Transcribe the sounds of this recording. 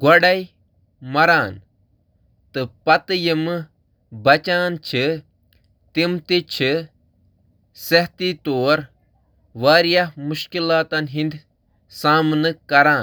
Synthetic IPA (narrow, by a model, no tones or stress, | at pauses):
ɡɐɽɐj | mɐɾaːn | t̪ɨpɐt̪ɨjimɨ | bɐt͡ʃaːnt͡ʃʰi | t̪imt̪it͡ʃʰi | sɐɦt̪it̪oːɾ | ʋaːɾjaɦmuʃkilaːt̪ɐnɦind̪ | saːmnɨkɐɾaːn